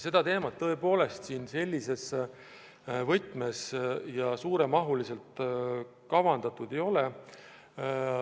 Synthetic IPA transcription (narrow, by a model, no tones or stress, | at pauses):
se̞d̪̥ɑt̪e̞ːmɑt̪ːɤ̞e̞po̞ːle̞st̪siːnse̞lʲːise̞s | vɤjt̪ˑme̞sjɑsuːɾe̞mɑɦulise̞lt̪ | kɑvɑnd̪ɑt̪ˑud̪e̞jo̞le̞